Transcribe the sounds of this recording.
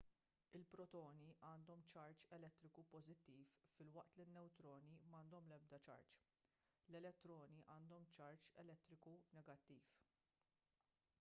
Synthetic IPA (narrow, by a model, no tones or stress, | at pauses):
ɪlpɾɔt̪ɔːniʔɐːnd̪ɔmt͡ʃɐɾt͡ʃɛlɛt̪ːɾɪkupɔzɪt̪ːiːfːɪlwɐʔt̪linːɛwt̪ɾɔːnimɐːnd̪ɔmlɛb̚d̪ɐt͡ʃɐ̰ɾt͡ʃ | lɛlɛt̪ːɾɔːniʔɐːnd̪ɔmt͡ʃɐɾt͡ʃɛlɛt̪ːɾɪkunɛɡɐt̪ːiːf